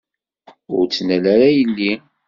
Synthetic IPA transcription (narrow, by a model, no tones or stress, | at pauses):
ʊ̰ɾt͡sːnælaɾajəlːi